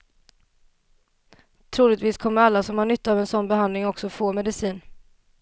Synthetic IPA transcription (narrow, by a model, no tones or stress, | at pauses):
t̪ʰɾuːlɪɡt̪viːskʰɔmːəɾalːasɔmhaɳʏt̪ːaaːvɛnsɔnːbɛhand̪lɪŋɔksɔfoːmɛd̪ɪsiːn